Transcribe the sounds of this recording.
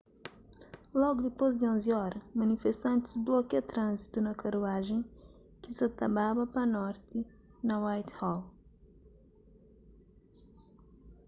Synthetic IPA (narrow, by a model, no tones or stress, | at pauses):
lɔɡud̪ɪpojzd̪iõnziɔɾɐmɐnifest̪ɐ̃nt̪ɪ̥zblɔkɐt̪ɾɐ̃nzit̪unɐkɐɾuaʒẽj̃ | kɪsɐt̪ɐbaβɐpɐnɔɾt̪ɪ | nɐwajt̪hɔl